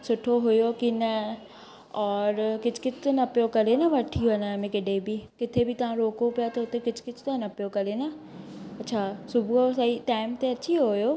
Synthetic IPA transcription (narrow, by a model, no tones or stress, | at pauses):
sʊʈʰːoɦojoːkinɛ | ɔːɾkɪt͡ʃʰkɪt͡ʃʰt̪onɐpːjokəlenaʋəʈʰːiɦonamẽkɪɖeːbʱiːkɪt̪ʰebʱit̪ɐɦãɾoːkopjat̪oːt̪ekɪt͡ʃʰkɪt͡ʃʰt̪oanɐpjokɐlenaː | ɐtːʃʰaːsʊbuosaiʈaːɪmt̪eɐtːʃʰiɦoːjoː